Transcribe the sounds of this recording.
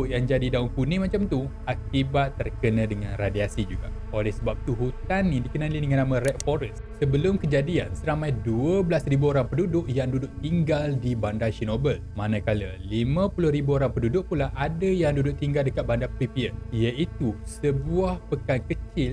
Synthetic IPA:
ʊʔjaŋd͡ʒadidauŋkunĩmãt͡ʃamt̪u | akibat̪ːərkənãdəŋãnradiasid͡ʒuɡa̰ | olɛhsəbap̚t̪uɦut̪anːidikənalidəŋãnːamə̃rɛt̪̚fɔɾəs | səbəlʊmkəd͡ʒadia̰nsəɾamajduəbəlasribuoɾaŋpədudʊʔjaŋdudʊʔ̚t̪iŋɡaldibandaʃinobəlmanãkaləlimãpulʊhɾibuoɾaŋpədudʊk̚pulaʔadəjaŋdudʊʔ̚t̪iŋɡaldəkat̪̚bandapipiəijait̪usəbuahpəkankət͡ʃɪl

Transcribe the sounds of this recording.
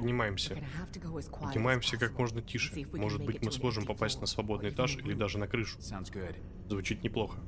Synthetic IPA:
pədʲnʲɪmajɪmsʲə | pədʲnʲɪmajɪmsʲəkakmo̞ʐnətʲiʂɨmo̞ʐɨt̪̚bɨtʲmɨsmo̞ʐɨmpɐpasʲtʲnəsvɐbo̞d̪nɨɪjɪt̪aʂilʲɪd̪aʐɨnɐkɾɨʂʊ̥snɡʊd | zvʊt͡ɕit̪nʲɪplˠo̞xə

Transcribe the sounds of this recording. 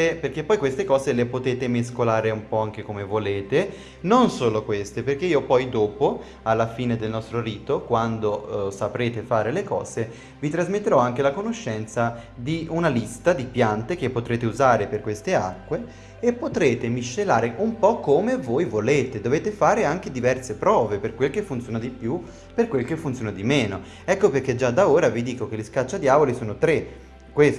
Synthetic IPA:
eperk̟epːɔjkwest̪ekɔːzelepot̪eːt̪emeskolaːɾeumpɔaŋk̟ekomevoleːt̪e | nonsoːlokwest̪eperk̟eiːopɔjd̪oːpo | alːafiːned̪elnɔst̪ɾoɾiːt̪okwand̪osapɾeːt̪efaːɾelekɔ̰ːze | vit̪ɾazmet̪ːeɾɔaŋk̟elakonoʃːɛnt̪sa | d̪iunalist̪ad̪ipjant̪ek̟epːot̪ɾeːt̪euzaːɾeperkwest̪ea̰kːweː | pːot̪ɾeːt̪emiʃːelaːɾeʔumpɔkːomevojvoleːt̪ed̪oveːt̪efaːɾeaŋk̟ed̪ivɛrsepɾɔːveperkwelkefːunt̪sjoːnad̪ipju | perkwelkefːunt̪sjoːnad̪imeːno | ɛkːoperk̟ːed͡ʒad̪aoːɾavid̪iːkok̟eliskat͡ʃːad̪jaːvolisoːnot̪ɾe | kwes

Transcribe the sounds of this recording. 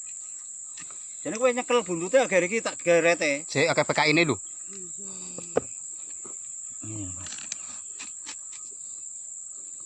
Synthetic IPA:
d͡ʒ̥enekuweɲəkəlb̥ṳnt̪ut̪eaɡəɾik̬it̪aʔkeɾɛt̪eseakepekainelu

